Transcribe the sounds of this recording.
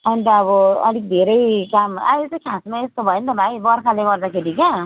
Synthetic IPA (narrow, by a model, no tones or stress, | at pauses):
ʌnit̪ʌːβʌʌ̰lik̚d̪ʱeɾʌjkamajlet͡sãkʰasmaest̪obʱʌjent̪ʌbʱajbʌɾkʰaleɡʌrd̪akʰeɾike